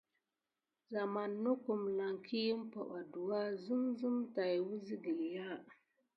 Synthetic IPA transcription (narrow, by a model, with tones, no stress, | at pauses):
za˨ma˨nːʊ˦kʊ˨mla˨ŋkʰi˦ji˦m˦pa˨ɓa˨du˨wa˦zɨ˦mzɨ˦mta˨jwu˦zi˦di˨ja˦